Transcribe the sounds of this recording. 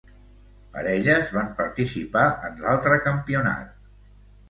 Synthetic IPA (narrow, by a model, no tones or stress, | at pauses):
pə̰ɾɛʎəzβampəɾt̪isipaənlalˠt̪ɾəkəmpiuna̰t̪̚